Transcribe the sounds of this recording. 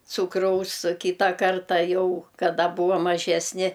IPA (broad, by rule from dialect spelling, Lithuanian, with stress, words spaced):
ˈt͡suːkrɐʊs oː ˈkʲiːtɐ ˈkɐrtɐ ˈjɛʊ kɐˈdɐ ˈbuːʋɐm mɐˈʒʲæːsʲnʲɪ